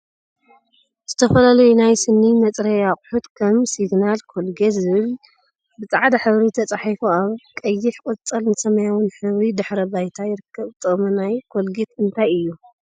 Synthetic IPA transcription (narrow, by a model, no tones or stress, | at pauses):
z̥ɨt̪ʰɐfɐlalɐjunajsɨnːimɐt͡sʼɾɐjakʼʊħut̪kʰɐmsiɡnalkʰolɡezɨβɨl | bɨt͡sʼaʕd̪aħɨβɾit̪ʰɐt͡sʼaħifuaβkʼɐjːɪħkʼɨt͡sʼɐlnɨsɐmɐjawɨnħɨβɾid̪ɨħɾɐbajt̪ʰajɪɾɨkʰːɐβt̪ʼɨχʼmunajkʰolɡet̪ɨnt̪ʰajɨjːu